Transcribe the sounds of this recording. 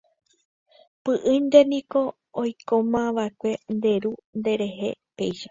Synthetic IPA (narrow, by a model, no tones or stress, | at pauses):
pɨʔɨ̃nd̪e̞nĩko̞ | ojkomãʋaekʷe̞nd̪e̞ɾund̪e̞ɾe̞ɦe̞̰pe̞jʃḁ